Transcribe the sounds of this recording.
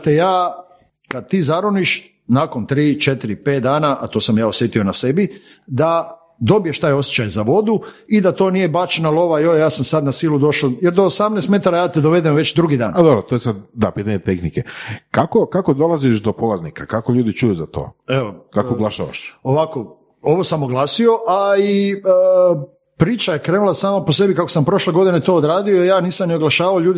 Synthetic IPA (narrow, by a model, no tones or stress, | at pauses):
t̪ejaː | kad̪̚t̪iːzaɾoniʃ | nakont̪ɾiːt͡ʃet̪iɾipeːt̪̚d̪aːnaʔat̪o̞ːsamjaːosjet̪io̞nasebi | d̪a | d̪o̞bijeʃt̪aːjo̞sjet͡ɕajzaʋo̞d̪uid̪at̪o̞ːnijebat͡ʃenalˠo̞ʋajojaːsamsad̪nasiːlˠud̪o̞ʃojeɾd̪oːsamnest̪me̞t̪aɾajaːt̪ed̪oʋe̞d̪emʋe̞t͡ɕd̪ɾuɡid̪aːnad̪obɾot̪ojesad̪̚d̪apiːt̪aɲet̪exnikekakokakod̪o̞lˠaziʃd̪opolaznikakakoʎuːd̪it͡ʃujuzat̪o̰ːeʋokakkooɡlaʃa̰ːʋa̰ʃoʋako̞ | o̞ʋosamoɡlaːsio̞ʔai | pɾiːt͡ʃaje̞kɾeːnulˠasaːmapose̞bikakosampɾo̞ʃle̞ɡo̞d̪ine̞t̪o̞ːd̪ɾaːd̪io̞ijaːniːsamnioɡlˠaʃaːʋaoʎuːd̪i